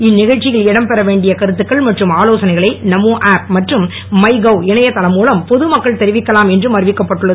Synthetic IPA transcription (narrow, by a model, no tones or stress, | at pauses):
ɪnːɪɣɐɻt͡ʃːɪjɐlɛɽɐmpɛɾɐʋeːɳɖɪjɐkɐɾɯt̪ːɯkːɐɭmɐʈrɯmaːloːsɐnɐɪɣɐɭɐɪnɐmoːʔaːp̚mɐʈrɯm | mɐɪɡɐʊɪnɐjɐt̪ːɐlɐmːuːlɐmpɔðɯmɐkːɐɭt̪ɛɾɪʋɪkːɐlaːmɛndrɯmɐɾʋɪkːɐpːɐʈːɯɭːɐð